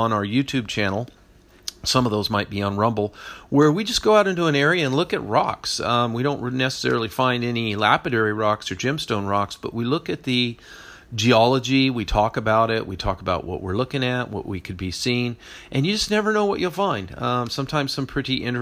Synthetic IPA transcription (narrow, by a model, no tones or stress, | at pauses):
ə̃naʊə˞jʉtʰʉb̚t͡ʃʰæ̃nl̩ˠ | sʌ̃mʌvðoʊzmaɪt̚b̥iə̃nɹʌ̃mbl̩ˠwə˞wid͡ʒʌsɡ̥oʊaʊɾɪ̃ntʉə̃nɛɹiɨɨ̃nlʊkɨt̚ɹɑ̰ksʌ̃mwiɾõʊ̃nʔnːɛsə̥sɛ̰ɹl̩ˠifãɪ̃ndɛnilæpɨɾɛɹiɹɑksə˞d͡ʒɪ̃mstõʊ̃nɹɑksb̥ʌ̰ʔwilʊkɨt̪̚ðɨ | d͡ʒiɑlˠəd͡ʒiwitʰɔkɨbaʊɾɪʔwḭtʰɔ̰kəbaʊʔ̚wʌ̰ʔwɪ̰ɹlʊkɪ̃ŋɨʔ̚wʌ̰ʔwikʰɨd̚bisĩn | ʔɨ̃njɨd͡ʒʌsnɛvə˞noʊwʌt͡ʃɨl̩ˠfãɪ̃nd̥ʌ̃sʌ̃mtʰãɪ̃mz̥sʌ̃mpʰɹ̥ɪɾiʔɪ̃n